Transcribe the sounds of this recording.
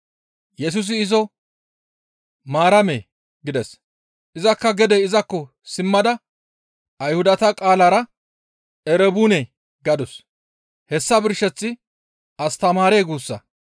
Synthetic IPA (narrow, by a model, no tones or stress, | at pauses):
jɛs̬ʊs̬ɪɪzɔ | maːɾɐmḛː | ɡɪd̪ɛs | ʔɪzɐkːɐɡɛd̪ɛɪzɐkːɔ | sɪmːɐd̪ɐ | ʔɐjhʊd̪ɐt̪ɐkʼaːlaɾɐ | ɛɾɛbuːnɛ | ɡɐd̪ɔs | hɛsːɐbɪɾʃːɛt͡sːɪ | ɐst̪ɐmaːɾeːɡuːsːɐ̰